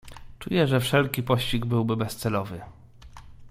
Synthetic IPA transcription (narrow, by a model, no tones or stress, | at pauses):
t͡ʂujɛʐɛfʂɛlkʲipɔɕt͡ɕiɡbɘwbɘbɛst̪sɛlɔvɘ